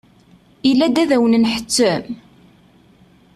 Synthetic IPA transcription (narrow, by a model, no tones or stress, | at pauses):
ilːæd̪æðæwənənħə̥t͡sːəm